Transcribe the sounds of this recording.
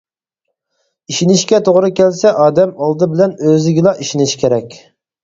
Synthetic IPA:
iʃinɪʃkʲɛt̪ʰoʁɾɨkʲʰɛlsɛʔɑːd̪ɛmɑlˠd̪ɨbɪlɛnøzɪɡʲilˠɑʔiʃinɪʃkʲʰeɾɛkʲ

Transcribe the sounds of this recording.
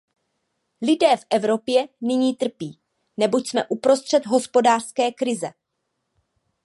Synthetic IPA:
lɪdɛːfʔɛvɾo̞pjɛnɪɲiːt̪r̩piː | nɛbocsmɛʔupɾo̞st̪r̥ɛt̪ɦo̞spo̞daːr̥skɛːkɾɪzɛ

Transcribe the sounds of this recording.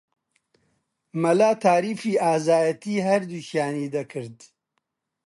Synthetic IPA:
mɐlaːt̪ʰaːɾiːfiːaːzaːjɐt̪iːɦɐɾd̪uʃjaːniːd̪ɐkʰɨɾd̪

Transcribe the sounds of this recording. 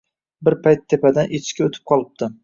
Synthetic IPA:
bɪɾpʰajt̪ʰːepad̪anʔet͡ʃkʲaot̪ʰɪ̥p̚qʰɒlˠɪp̚d̪ɪ

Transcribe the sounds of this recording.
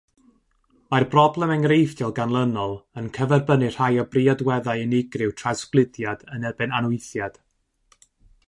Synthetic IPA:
majrbrɔblˠɛmɛŋrejfd̥ɔlˠɡanlˠənɔlˠənkʰəvɛrbənɨr̥hajɔbriadwɛðajɪnɪɡrɪwtʰrasklˠɪdjadənɛbɨnanʊɨθjad̥

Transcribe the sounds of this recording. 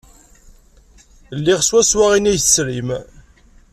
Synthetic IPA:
lːiʁswæswaʁinæjθə̥sɾim

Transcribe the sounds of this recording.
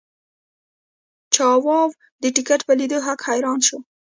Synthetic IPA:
t͡ʃɑwɑw | d̪əʈɪkaʈpəlid̪əɦakhajɾɑnʃo

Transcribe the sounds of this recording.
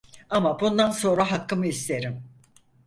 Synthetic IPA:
amabund̪anso̞nɾaɦakːɯmɯist̪ʰe̞ɾim

